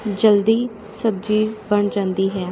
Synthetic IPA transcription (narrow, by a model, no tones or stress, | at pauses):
d͡ʒəld̪iː | səbd͡ʒiːbəɳd͡ʒãːnd̪iːɦɛː